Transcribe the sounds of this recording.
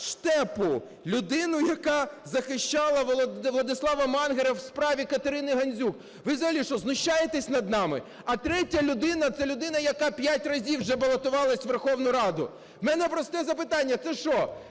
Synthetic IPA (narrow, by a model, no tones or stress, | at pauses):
ʃt̪ɛpʊ | lʲʊd̪ɪnʊjɐkɑzɐxɪʃt͡ʃɑlˠɐlˠɐd̪ɪslˠɑʋɐmɑnɦeɾɐwspɾɑʋʲikɐt̪eɾɪnɪɦɐnʲzʲuk | ʋɪzɐɦɐlʲiʃt͡ʃɔznʊʃt͡ʃːajet̪ɛsʲnɐd̪̚nɑmɪ̰ | ɐt̪ɾɛtʲɐlʲʊd̪ɪnɐt̪sɛlʲʊd̪ɪnɐjɐkɑpʲjatʲrɐzʲiwʒɛbɐlˠɐt̪ʊʋɑlˠɐsʲʋerxɔwnʊɾɑd̪ʊ | wmɛnɛpɾɔst̪ɛzɐpɪt̪ɑnʲːɐt̪sɛʃɔ